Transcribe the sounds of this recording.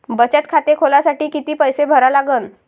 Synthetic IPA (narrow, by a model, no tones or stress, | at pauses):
bət͡ɕət̪̚kʰat̪ekʰolasaʈiːkit̪iːpəjsebʱəɾalaɡən